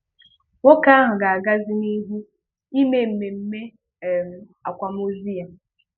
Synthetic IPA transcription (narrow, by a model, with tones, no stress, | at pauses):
wo˦ka˦a˦ɦʊ˨ɡa˨a˨ɡa˦zɪ˦ni˦ɦu˦ | i˦me˦m̩˨me˨m̩˦me˦˨ | m̩˨ | a̰˨kʷa˨m˦o˦zi˦ja˨